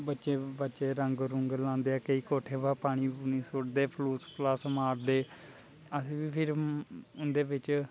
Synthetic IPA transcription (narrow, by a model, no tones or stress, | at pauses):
bətːʃeːbətːʃeːɾəŋɡɾʊŋɡlãːnd̪eːaːkəiːkoːʈʰeːbaːpaːɽ̃iːbʊniːsʊʈd̪eːpʰluːspləsmaːɾd̪eː | əsːʋiːpʰɪɾʊnd̪eːʋɪt͡ʃ